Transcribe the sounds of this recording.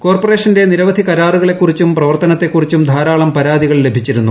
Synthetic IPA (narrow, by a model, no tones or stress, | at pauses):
ko̞ːrpore̞ːʂɐnde̞niɾɐʋɐd̪ʱikɐɾaːruɣɐɭe̞kːurit͡ɕːumprɐʋɐrt̪ɐnɐt̪ːe̞kːurit͡ɕːumd̪ʱaːɾaːɭɐmpɐɾaːd̪iɣɐɭle̞bʱit͡ɕːiɾunːu